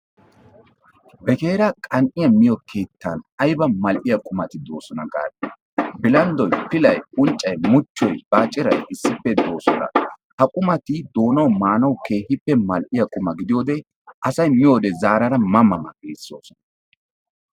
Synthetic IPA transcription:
bɛke̞ːɾɐkʼɐnʔɪjɐmɪjɔkʰe̞ːt̪ːɐ̰nɐjbɐmɐlʔɪjɐkʼʊmɐt̪ɪd̪o̞ːsɔnɐɡa̰ːd̪ | bɪlɐnd̪ɔjpɪlɐjʊnt͡ʃʼːɐjmʊt͡ʃːɔjb̥aːt͡ʃʼɪɾɐjʔɪsːɪpːɛd̪o̞ːsɔnɐ̰hɐkʼʊmɐt̪ɪd̪o̞ːnɐwmaːnɐwke̞ːhɪpːɛmɐlʔɪjɐkʼʊmɐɡɪd̪ɪjo̞ːd̪ɛ | ʔɐsɐjmɪjoːd̪ɛzaːɾɐɾɐmɐmɐmɐ̰ɡḛːsːo̞ːsɔ̥nɐ

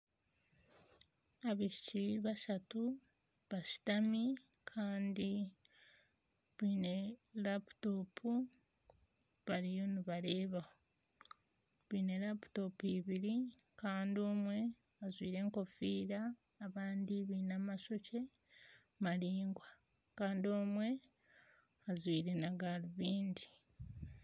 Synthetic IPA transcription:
aβiʃiciβaʃatu | βaʃi̥tami | kʰaːndi | βiːne̞lapu̥to̞pʰu | βaɾijo̞niβaɾe̞ːβaho | βiːne̞lapu̥to̞piβiɾi | kaːndio̞mwe̞ | azwiːɾe̞ːŋko̞fiːɾaː | βaːndiβiːnaːmaʃo̞ce̞ | maɾiːŋɡwa | kaːndio̞ːmwe̞ | azwiːɾenaɡaliβiːndi

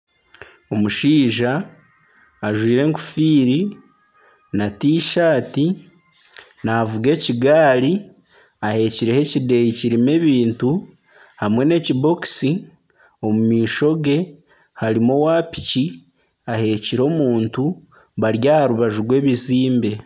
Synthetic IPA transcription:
o̞muʃiːʒaː | ʒwiːɾe̞ːŋku̥fiːɾi | natiːʃaːti | naːvuɡe̞ːciɡaːɾi | ahe̞ciɾehe̞cide̞jiciɾime̞ːβiːntu | hamwe̞ne̞cibo̞ksi | o̞mumiːʃo̞ɡe̞ | haɾimo̞waːpi̥ci | ahe̞ciɾo̞ːmuːntu | βaɾjaːhaɾuβaʒuɡwe̞ːβiziːmbe̞

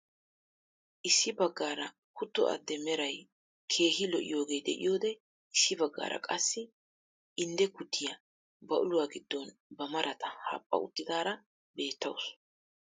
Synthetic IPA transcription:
ʔɪsːɪbɐɡːaːɾɐ | kʰʊt̪ːɔ̰ʔɐ̰d̪ːɛmɛɾɐj | kʰe̞ːɦɪlɔʔɪ̰jo̞ːɡe̞ːjd̪ɛ̰ʔɪ̰jo̞ːd̪ɛ | ɪsːɪbɐɡːa̰ːɾʔɐ̰kʼɐsːɪ | ɪnd̪ɛkʊt̪ʰːɪjɐ | bɐʔʊlʊwaːɡɪd̪ːɔnbɐmɐɾʔɐt̪ɐha̰ːpʼːɐ̰ʊt̪ːɪd̪aːɾɐ | be̞ːt̪ːɐws

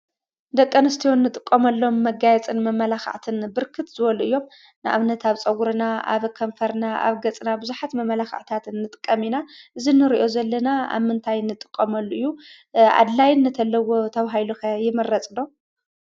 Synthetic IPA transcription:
d̪ɐkʼːɐnɨst̪ʰijonːɨt̪ʼɨkʼːɐmɐlːo̞mːɐɡajɛt͡sʼɨnmɐmɐlaxa̰ʕt̪ʰɨnbɨɾkʰɨt̪zɨβɐluɨjːo̞m | nɨʔa̰βnɐt̪ʰaβt͡sʼɐwuɾɨnaʔa̰βkʰɐmfɐɾnaʔa̰βɡɐt͡sʼɨnabɨzuħat̪mɐmɐlaxa̰ʕt̪ʰat̪nːɨt̪ʼɨkʼːɐminaʔɨzinːɨɾiʔo̞zɐlːɐnaa̰βmɨnt̪ʰajnɨt̪ʼɨkʼːɐmɐlːuʔɨjːu | ʕa̰d̪lajɪnːɨt̪ʰɐlːɐwo̞t̪ʰɐβaɦajluxɐjɪmɐrɐt͡sʼdo̞

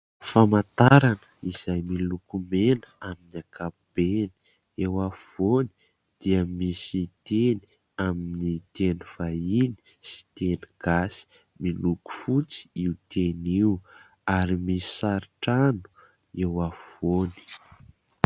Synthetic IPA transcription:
famat̪aɾanəiz̥ajmilukumenaminiakab̥eni̥ | ewafvoni̥ | d̪̥iəmisit̪eni | aminit̪enuv̥aini̥ | si̥t̪eniɡ̥asi̥ | miluku̥fut͡si̥iut̪eniw | aɾimisi̥saɾiʈ͡ʂanu̥ | ewafvoni̥

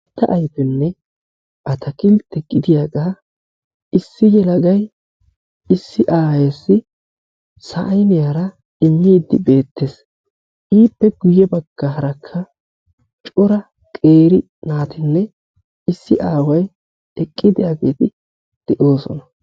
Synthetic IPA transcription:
t̪ːɐʔɐjfɛnːɛ | ʔɐt̪ʰɐkɪlt̪ɛɡɪd̪ɪjaːɡaː | ʔɪsːɪjɛlɐɡɐj | ɪsːɪʔaːjɛsːɪ | sɐʔɐjnɪjaːɾɐ | ɪmːiːd̪ːɪ̰be̞ːt̪ːes | ʔiːpːɛɡʊjːɛbɐɡ̥ːɐɦɐɾɐkʰːɐ | t͡ʃʼɔɾɐ | kʼeːɾɪ | naːt̪ɪnːɛ | ɪsːɪʔaːwɐj | ɛkʼːɪd̪ɪjaːɡeːt̪ɪ | d̪̥ɛʔo̞ːsɔ̰nɐ

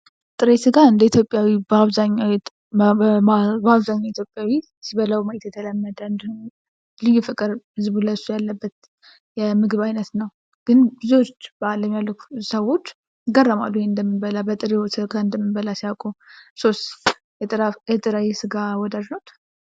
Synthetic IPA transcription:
t̪ʼɨɾəjsɨɡaɨnd̪əit̪ʰjo̞pʼjawibaβzaɲːa | baβzaɲːait̪ʰjo̞pʼjawi | siβələwməʔit̪jɛt̪ʰələmːəd̪əɨnd̪hum | lɨjːufɨkʼɨɾɨzɨβuləsujalːəbːət̪ | jɛmɨɡɨβajnət̪nəw | ɡ̥ɨnbɨziwot͡ʃːbalːəmjalːəkʰʷusəwo̞t͡ʃː | ɡərːəma̰lːujeɨnd̪əmːinbəlabət̪ʼɨɾiwsɨɡaɨnd̪əmːɨnbəlasiawkʼuso̞st̪ | ɛɾjɛt̪ʼɨɾajsɨɡawɔd̪aʒnot̪

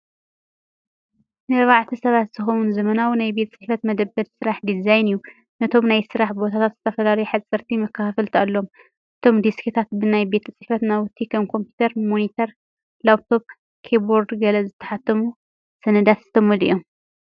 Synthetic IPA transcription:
nɨɾβaʕt̪ʰisɐβat̪z̥ɨxowunzɐmɐnawnajbe̞t̪ʰt͡sʼɨħfɐt̪mɐd̪ɐbːɐd̪sɨɾaħd̪izajnɨjːu | nɐt̪ʰo̞mnajsɨɾaħbo̞t̪ʰat̪ʰat̪z̥ɨt̪ʰɐfɐlalɐjħasʼɐɾt̪ʰimɐkʰːɐfafɨlt̪ʰalːo̞m | ʔɨt̪ʰo̞md̪iskʰit̪ʰat̪̚bɨnajbe̞t̪ʰɐt͡sʼɨħfɐt̪nawʊt̪ʰːikʰɐmkʰo̞mpjut̪ʰɐɾmonit̪ʰɐɾ | laβ̚t̪ʰo̞p̚ | kʰeboɾd̪ɡɐlɐzɨt̪ʰːɐħat̪ʰːɐmu | sɐnɨd̪at̪zɨ̥t̪ʰɐmɐlḭjo̞m

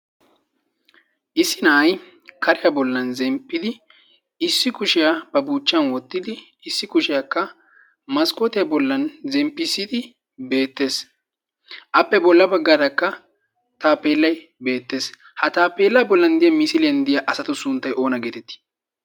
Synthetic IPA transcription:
ʔɪsːɪnɐːj | kʰɐɾɪjabɔlːɐnzɛmpʼːɪd̪ɪ | ɪsːɪkʊʃɪjab̥ɐbuːt͡ʃːɪɐnwɔt̪ːɪd̪ɪ | ɪsːɪkʊʃɪjakːɐ | mɐskʼɔt̪ɪjɐbɔlːɐnzɛmpːɪsɪd̪ɪ | be̞ːt̪ːe̞ːs | ʔɐpːɛbɔlːɐbɐɡːaːd̪ɐkːɐ | t̪aːpeːlːɐj | be̞ːt̪ːe̞ːs | hɐt̪aːpeːlːɐbɔlːɐnd̪ɪjɐmɪsɪlɪjɐnd̪ɪjaʔɐsɐt̪ʊsʊnt̪ːɐjʔo̞ːnɐɡeːt̪ɛt̪ːi̥

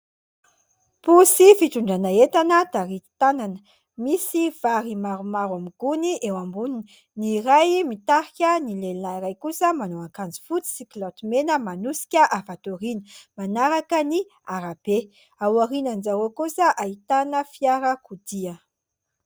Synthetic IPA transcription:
pusifiʈ͡ʂuɳɖ͡ʐanaet̪anəd̪̥aɾit̪i̥t̪ananə | misiv̥aɾimaɾumaɾwamiɡ̥uniʔewambunini | niɾajmit̪aɾikʲənilelinaiɾajkusəmanoaŋkand͡zi̥fut͡si̥siklɔt̪menəmanusi̥kʲəʔavat̪oɾinə̥manaɾakəni | aɾab̥e | awaɾinanzaɾokusəʔait̪anəfiaɾəkud̪iə

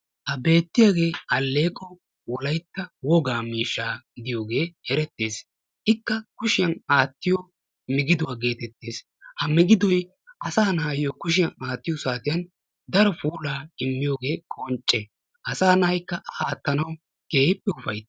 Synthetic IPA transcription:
hɐbe̞ːt̪ːɪjaːɡe̞ːɐlːe̞ːkʼːɔ | wɔlɐjt̪ːɐwɔɡaːmiːʃːaːɡɪd̪ɪjo̞ːɡe̞ːhɛɾɛt̪ːe̞ːs | ʔɪkːɐkʊʃɪjɐnaːt̪ːɪjo | mɪɡɪd̪ʊwaːɡe̞ːt̪ɛt̪ːeːs | hɐmɪɡɪd̪ɔj | ʔɐsaːnɐhɐjokʊʃɪjɐnaːt̪ːɪjɔsaːt̪ɪjɐn | d̪ɐɾɔfuːlaːɪmːɪjo̞ːɡe̞ːkʼɔnt͡ʃʼːɛ | ʔɐsaːnɐhɐjkːɐʔɐʔaːt̪ːɐnɐw | ɡ̥eːjpːɛʊfɐjt̪

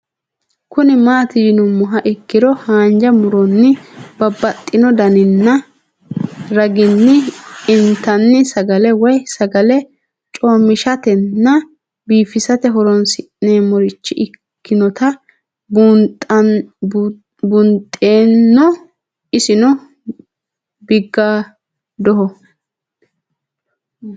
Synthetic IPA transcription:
kʊnɪmaːt̪ɪd͡ʒɪnɔmʊɦɐʔɪkːɪd̪ɔhaːnd͡ʒɐmʊɾɔnːɪb̥ɐbːɐt̪ʼːɪnɔd̪ɐnɪnːɐ | ɾɐɡɪnːɪɪnt̪ɐnːɪsɐɡɐlɛwɔjsɐɡɐlɛ | t͡ʃʼoːmɪʃɐt̪ɛnːɐ | biːfɪsɐt̪ɛɦɔɾɔnsɪʔneːmɔɾɪt͡ʃːɪʔɪkːɪnɔt̪ɐ | b | bʊnt̪ʼːeːnːɔ | ɪsɪnɔ | bɪɡːaː | d̪ɔɦɔ

